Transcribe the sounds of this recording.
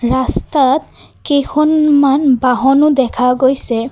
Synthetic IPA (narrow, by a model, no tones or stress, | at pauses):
ɹast̪at̪ | kexʰɔnmanbaɦɔnʊdɛkʰaɡojsɛ